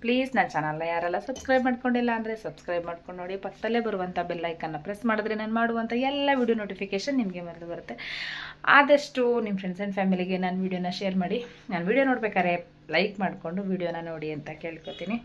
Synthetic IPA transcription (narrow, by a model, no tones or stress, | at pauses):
pliːznaːnt͡ʃaːnɐlːɐjaːɾɛlːɐsɐbskɾɐjbmaːɖkoɳɖilːɐːnd̪ɐɾesɐbskɾɐjbmaːɖkoɳɖnoːɽipɐkːɐd̪ɐlːeːbɐɾuʋɐnt̪ʰɐbelːɐjkɐnːɐpɾesmaːɽud̪ɾenaːnmaːɽuʋɐnt̪ʰɐɛlːɐʋiːɽijonoːʈipʰikeːʃɐnːimɐɡemɐɾɐd̪ubɐɾut̪ːe̞a̰ːd̪ɐʂʈunimfɾeɳseɳɖpʰaːmiliɡe̞naːnʋiːɽijonːɐʃeːɐɾmaːɽi | naːnʋiːɽijonoːɽbeːkaːɾe | lɐjkmaːɽko̞ɳɖuʋiːɽijonːɐnoːɽiɐnt̪ɐke̞ːɭkot̪iːni